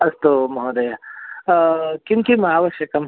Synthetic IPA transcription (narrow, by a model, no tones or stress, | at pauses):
ɐst̪omɐɦod̪ɐja | kjũŋkimɐɦaːʋɐʃjɐkɐm